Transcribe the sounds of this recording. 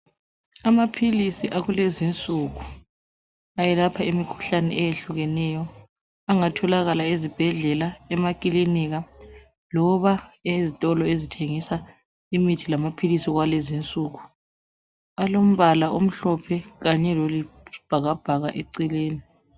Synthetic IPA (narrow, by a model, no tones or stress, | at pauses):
amapʰilisiʔaɣulezint͡sʼuɣu | ajɛlapʰaimikʰu̥ɬanɛ̰ʔɛjeɬuɣɛnɛjɔ | aŋatʰɔlaɣalaezib̥ʱɛɮɛlaɛmakʼiliniɣa | lɔβaezitʼɔlɔezitʰeŋisa | imitʰilamapʰilisiɣwalezint͡sʼuːɣu | alom̩βalaʔom̩ɬɔpʰɛɣaɲɛlolib̥ʱaɣab̥ʱaɣaʔeǀileːni